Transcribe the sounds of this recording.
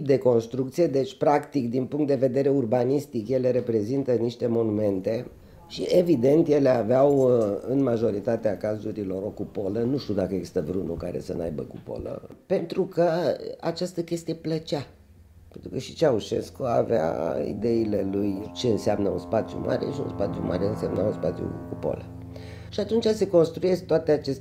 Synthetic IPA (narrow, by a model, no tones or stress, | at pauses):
p̚d̪e̞ko̞nst̪ɾukt̪sije̞d̪e̞t͡ʃʲpɾakt̪ikd̪inpuŋkt̪̚d̪e̞ve̞d̪e̞ɾe̞urbanist̪ikje̞le̞ɾe̞pɾe̞zint̪əniʃt̪e̞mo̞nume̞nt̪e̞ | ʃievid̪e̞nt̪je̞le̞aveawɨnmaʒo̞ɾit̪at̪eakazuɾilo̞ɾo̞kupo̞lənuʃt̪ʲud̪akəeɡzi̥st̪əvɾunukaɾe̞̰sə̰na̰jbə̰kupo̰lə̰pe̞nt̪ɾukəa̰t͡ʃast̪əkʲe̞st̪ijeplət͡ʃa | pent̪ɾukəʃi̥t͡ʃeauʃe̞̰skoa̰vea̰ḭd̪e̞ile̞lujt͡ʃe̞ɨnseamnəunspat̪sjṵma̰ɾe̞̰ʃiṵnspat̪sʲjṵmʔa̰ɾeɨnsemnaunspat̪sjṵkupo̰lə | ʃiat̪unt͡ʃase̞ko̞nst̪ɾuje̞sk̚t̪oat̪eat͡ʃes